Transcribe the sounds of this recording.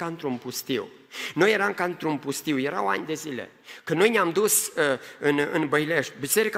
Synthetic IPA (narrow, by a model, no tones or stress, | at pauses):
aɨnt̪ɾunpust̪iw | no̞jːeɾamkaɨnt̪ɾunpust̪iwjeɾawa̰nʲd̪e̞zile̞̰ | kɨnno̞jneamd̪usəɨnɨ̰nbəjle̞ʃt̪̚ʲbise̞ɾika